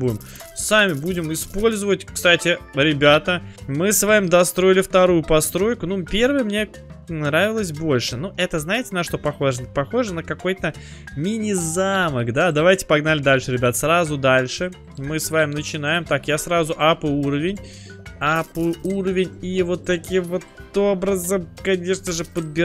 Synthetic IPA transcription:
buɪm | samʲɪbudʲɪmɪspo̞lʲzəvətʲkst̪atʲɪɾʲɪbʲat̪əmɨsvamʲɪmd̪ɐst̪ɾo̞ɪlʲɪft̪ɐɾujʊpɐst̪ɾo̞jkʊnupʲe̞rvəjəmnʲe̞ | nɾavʲɪlˠəs̬ʲbo̞lʲʂɨnuʔɛt̪əznajɪtʲɪnɐʂt̪o̞pɐxo̞ʐənpɐxo̞ʐɨnəkɐko̞jt̪ə | mʲɪnʲɪzaməkd̪ad̪ɐvajtʲɪ̥pɐɡnalʲɪd̪alʲʂɨɾʲɪbʲat̪əsɾazʊd̪alʲʂɨ | mɨsvamʲɪmnət͡ɕɪnajɪmt̪akjasɾazʊʔapʊuɾəvʲɪnʲ | apʊʊuɾəvʲɪnʲivo̞t̪ːɐkʲimvo̞t̪o̞bɾəzəmkɐnʲe̞ʂnəʐɨpəd̪̚bʲɪ

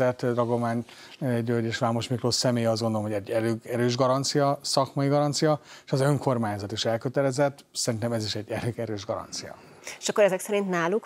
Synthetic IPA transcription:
ɛt̪d̪rɒɡo̞maːɲ | ɟøɟeːʃʋaːmoʃmikloːsɛmeːjɛɒzɡond̪oomɦoɟɛɟːɛɾøːɡɛɾøːʒɡɒɾɒnt̪sijɒsɒkmɒjiɡɒɾɒnt̪sijɒʃɛzøŋko̞rmaːɲzɒt̪iʃɛlkøt̪ɛlɛzɛt̪ː | sɛɾint̪ɛmɛziʃɛɟːɛɾøɡɛɾøːʒɡɒɾɒ̰nt̪sijɒ̰ | e̥ʃɒkːoɾɛzɛksɛɾint̪naːluk

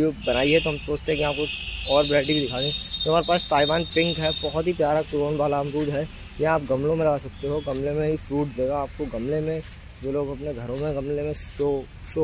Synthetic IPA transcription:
obɐnaːiɦɛt̪oɦɐmsoːt͡ʃt̪ẽɦɛ̃kiaːp̚koɔːɾbɾɛːʈikid̪ɪkʰaːɡet̪oɐmaːɾepaːst̪aːiʋaːnpɪ̃ŋkɦɛbɐɦɔt̪ɦipjaːɾakɾoːnbaːlaɐmɾuːd̪ɦɛ | jɐɦaːp̚ɡɐmlõmẽlɐɡaːsɐk̚t̪eɦoɡɐmlemẽɦifɾuːʈd̪eːɡaːp̚koɡɐmlemẽ | d͡ʒoːloːɡɐpneɡʱɐɾõmẽɡɐmlemẽʃo | ʃoː

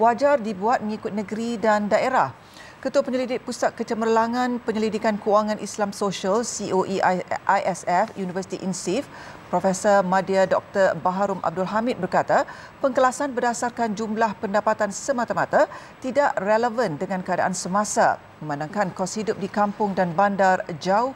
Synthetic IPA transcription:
wad͡ʒardibuat̪̚məŋikʊt̪̚nə̃ɡəɾidandaʔeɾah | kət̪uapəɲəlidɪk̚pusat̪̚kət͡ʃəmərlaŋãnpəɲəlidikankəaŋãnʔislamsoʃəlsiʔoʔiʔajʔɛsɛfjunivərsi̥t̪iʔinsif | pɾofɛsɔrmãdiadɔk̚t̪ərbaɦaɾʊmʔa̰b̚dʊlɦamɪt̪̚bərkat̪a | pəŋkəlasanbərdasarkand͡ʒumlahpəndapat̪ansəmãt̪amat̪at̪idaʔreləvəndəŋãnkəada̰ʔansəmãsa̰ | məmãnãŋkankɔshidʊp̚dikampʊŋdanbandard͡ʒaʊ

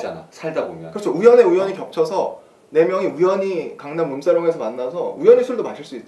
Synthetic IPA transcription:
ana̰sʰaɭdabomjʌnkɯɾʌt͡ɕʰʌujʌne̞ujʌɲikjʌk̚t͡ɕʰʌsʰʌ | ne̞mjʌŋiujʌɲikaŋnanmums͈aɾjoŋe̞sʰʌmanːasʰʌujʌɲisʰuɭdomaɕʰiɭs͈uit̚t

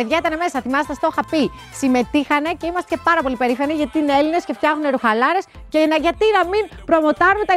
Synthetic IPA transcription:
eðʝɐit̪ɐneme̞sɐθimɐset̪est̪oxɐpi | sime̞t̪ixɐne̞ce̞imɐst̪cepɐɾɐpo̞lipe̞ɾifɐniʝɐt̪ineeline̞sceft̪çɐxuneɾuxɐlɐɾe̞s | cenɐʝɐt̪inɐminpɾomo̞t̪ɐnunt̪ɐ

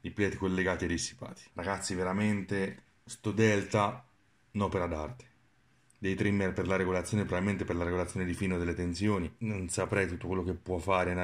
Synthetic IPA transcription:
d̪iplɛt̪ːkolːeɡaːt̪iad̪ːisːi̥pa̰ːt̪ʰi̥raɡat̪sːiveɾament̪e | st̪od̪ɛlt̪a | nɔpeɾad̪art̪e̥ | d̪ejt̪ɾimːerperlaɾeɡolat̪sjonepːɾovailment̪eperlaɾeɡolat̪sːjoːned̪ifiːnod̪elːet̪ensjoːninonsapɾɛjt̪ut̪ːokwelːokepːwɔfːaːɾena

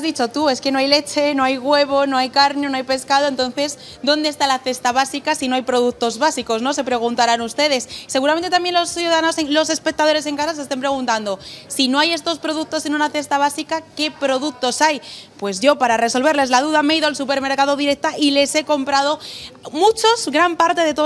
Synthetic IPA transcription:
azðit͡ʃo̞t̪ue̞ske̞no̞ajle̞t͡ʃe̞no̞ajɣwe̞β̞o̞no̞ajkaɾnonoajpe̞skaðoe̞nt̪o̞nθe̞z | d̪o̞nd̪est̪alaθe̞st̪aβ̞asikasino̞ajpɾo̞ð̞uk̚t̪o̞zβasiko̞szno̞se̞pɾe̞ɣunt̪aɾanust̪e̞ð̞e̞sːe̞ɣuɾam̃nt̪et̪ambje̞nlo̞sθjuðaðanoselo̞se̞spe̞k̚t̪að̞o̞ɾe̞se̞ŋkasas̬est̪empɾeɣ̞unt̪and̪osino̞aje̞st̪o̞spɾo̞ð̞uk̚t̪o̞sːinounaθe̞st̪aβ̞asikake̞pɾo̞ðuk̚t̪o̞sajpwe̞zʝo̞paɾare̞so̞lβ̞e̞ɾle̞zlað̞uðameiðoalsupe̞ɾme̞ɾkað̞o̞ðiɾe̞k̚t̪aʔile̞se̞ko̞mpɾað̞o̞mut͡ʃo̞zɣɾampaɾt̪e̞ðe̞t̪o

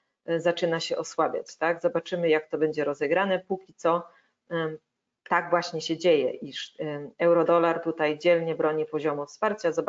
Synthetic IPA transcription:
zat͡ʂɘnaɕɛʔɔswabʲja̰t͡ɕt̪aɡzɔbat͡ʂɘmɘjak̚t̪ɔbɛɲd͡ʑɛɾɔzɛɡɾanɛpukʲit̪sɔ | t̪aɡvwaɕɲɛɕɛd͡ʑejɛʔiʂɛwɾɔd̪ɔlaɾt̪ut̪ajd͡ʑɛlɲɛbɾɔɲipɔʑɔmufspaɾt͡ɕazɔb

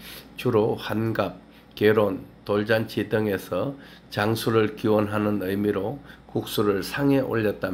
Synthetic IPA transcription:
t͡ɕuɾoɸanɡap̚ | keɾontoɭd͡ʑant͡ɕʰidɯŋe̞sʰʌ | t͡ɕaŋsʰuɾɯɭkiwʌnɦanɯnɯjmiɾokuk̚s͈uɾɯɭsʰaŋe̞ʔo̰ʎːʌt̚t͈a

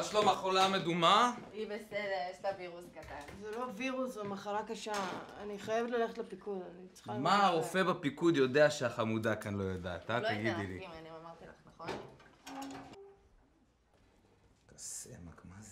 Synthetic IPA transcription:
aʃlomaχolamed̪umaibesed̪eeʃt̪aviʁuskat̪anzelo̞viʁusʁemaχaɾakaʃaaniχajevetlaleχetlepikud̪anit͡sχamaaʁo̞fe̞bapikud̪jo̞de̞aʃeaχamud̪akanlo̞jad̪a̰t̪atlaɡid̪ilḭmaniamaʁt̪ila̰χnaχon | kasemakma

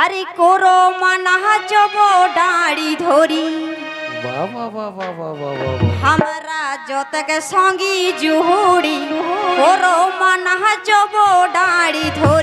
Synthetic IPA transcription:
aɾikoɾomanaɦad͡ʒɔbɔɖãɽid̪ʱoɾi | ɦamɾad͡ʒɔt̪ɛkɛsɔ̃ŋɡid͡ʒuɦuɽikoɾomanaɦad͡ʒɔbɔɖaɽid̪ʱoɾ

